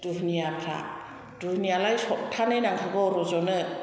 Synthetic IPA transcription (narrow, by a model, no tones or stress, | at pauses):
d̥uɦnijapʰɾa̰ | d̥uhnijalajsɔp̚tʰanɯjnaŋkʰaɡɔɾɔzɔnɯ